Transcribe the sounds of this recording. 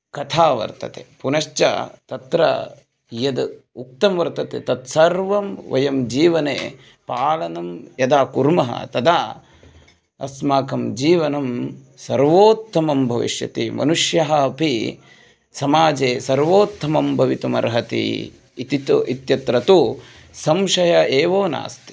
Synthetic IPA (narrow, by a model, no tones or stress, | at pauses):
kɐt̪ʰaːʋɐ̰ɾt̪ɐ̰t̪ḛpunɐʃt͡ʃɐ̰t̪ɐt̪ɾɐ̰ | jɐd̪uk̚t̪ɐmʋɐɾt̪ɐt̪ḛt̪ɐt̪sɐɾʋɐmʋɐ̰jɐmd͡ʒiːʋɐnḛː | paːlɐnɐmjɐd̪aːkuɾmɐɦɐ̰t̪ɐd̪aː | ɐsmaːkɐmd͡ʒiːʋɐnɐm | sɐɾʋoːt̪ʰːɐmɐmbʱɐʋḭʂjɐ̰t̪imɐ̰nuʂjɐɦɐpi | sɐmaːd͡ʒeːsɐɾʋoːt̪ʰːɐmɐmbʱɐʋit̪umɐ̰ɾɦɐt̪ḭ | t̪it̪it̪jɐt̪ɾɐt̪u | sɐmʃɐjɐeːʋoːna̰ːst̪i̥